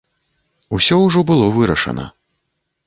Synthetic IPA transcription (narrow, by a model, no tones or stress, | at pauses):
usʲɔwʐɔbɨlˠɔvɨɾɐʂɐ̰nɐ̰